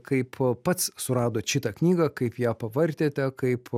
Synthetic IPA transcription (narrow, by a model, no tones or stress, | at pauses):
kɐɪppɐt̪ssʊɾɑːd̪oːʃʲɪt̪ɐknʲiːɡɐkɐɪpjæːpɐʋɐrʲt̪ʲeːt̪ʲɛkɐɪp